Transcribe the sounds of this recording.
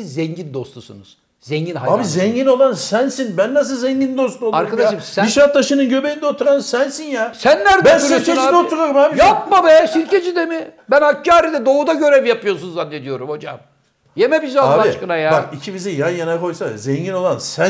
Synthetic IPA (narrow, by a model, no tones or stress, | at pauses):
zzɛɲɟind̪o̞st̪ʰusunuz̥ | zɛɲɟinaabizɛɲɟino̞lˠansænsinbænːas̬ɯlˠzɛɲɟind̪o̞st̪ʰuoaɾkad̪aaʃɯmsiʃɾat̪̚d̪aʃɯnɯnɟø̞bejind̪ɛot̪ʰuɾansænsinjasænlʲæɾd̪bænsiɾʲt͡ʃʰed͡ʒid̪ouɾaɾɯmhaːbijap̚mabɛsilcʰed͡ʒid̪emibænacʰːaːɾid̪ɛd̪o̞ud̪aɟøɾɛvjapɯjosunzanːed̪ijo̞ɾumho̞d͡ʒa̰m | jemɛbizaaaiʃkɯnajabakicʰibizijanjanakʰojsa̰zɛɲɟino̞lˠansæ